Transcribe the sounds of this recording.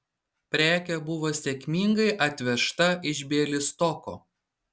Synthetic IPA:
pʲɾʲæːkʲɛbʊʋoːsʲɛkʲmʲiŋɡɐɪʔɐt̪ʲʋʲɛʃt̪ɐɪʒʲbʲeːlʲɪst̪ɔko̰ː

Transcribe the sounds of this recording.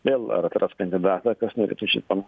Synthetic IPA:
ʋʲeːlˠɐ̰ɾɐt̪ɾɐst̪kɐnʲd̪ʲɪd̪ɑːt̪ɐkɐsnʊɾʲɛ̰ːt̪uʃʲḭt̪pɐn

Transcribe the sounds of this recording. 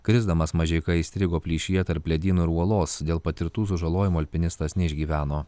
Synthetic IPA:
kɾʲɪzd̪ɐmɐsmɐʒʲɛɪkɐɪːsʲt̪ʲɾʲɪɡoːpʲlʲiːʃʲɪjɛt̪ɐɾplʲɛd̪ʲiːnuɪɾuɔlˠoːsd̪ʲeːlˠpɐt̪ʲɪɾt̪uːs̬ʊʒɐlˠoːjɪmuːɐlʲpʲɪnʲɪst̪ɐsnʲɛɪʒʲɡʲiːʋʲæːnoː

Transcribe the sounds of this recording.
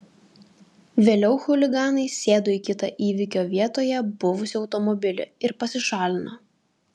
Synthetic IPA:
ʋʲeːlʲɛʊxʊlʲɪɡɑːnɐɪsʲeːd̪ʊikʲɪt̪ɐʔiːʋʲɪkʲoːʋʲiɛt̪oːjɛbʊʋʊsʲɪɒʊt̪ɔmɔbʲɪlʲɪ̰ɪɾpɐsʲɪʃɑːlʲɪno

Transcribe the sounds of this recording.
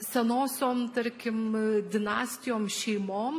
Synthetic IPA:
sʲɛnoːsʲoːmt̪ɐɾʲkʲɪmd̪ʲɪnɑːsʲt̪ʲɪjoːmʃʲɛɪmoːm

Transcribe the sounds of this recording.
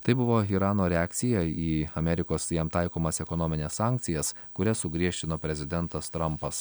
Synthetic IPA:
t̪ɐɪbʊʋoːiɾɑːnoːɾʲɛɑːkt̪sʲɪjɛiːɐmʲɛɾʲɪkoːsjɛmt̪ɑɪkoːmɐsɛkɔnɔmʲɪnʲeːssɑˑːŋʲk̚t̪sʲɪjɛs | kʊɾʲɛsʊɡɾʲiɛʃʲt͡ʃʲɪnoːpʲɾʲɛzʲɪd̪ʲɛnt̪ɐst̪ɾɐmpɐs

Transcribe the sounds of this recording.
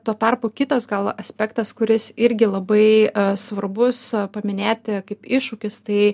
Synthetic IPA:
t̪oːt̪ɐrpoːkʲɪt̪ɐsɡɐlˠɐsʲpʲɛkt̪ɐskʊɾʲɪsɪɾʲɡʲɪlˠɐbɐɪsʋɐrbʊspɐmʲɪnʲeːt̪ʲkɐɪpɪʃʊkʲɪst̪ɐɪ

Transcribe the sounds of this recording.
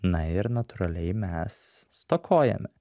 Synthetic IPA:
nɐɪɾnɐt̪ʊɾɐlʲɛɪmʲɛsːt̪okʰoːjɛ̰mʲɛ

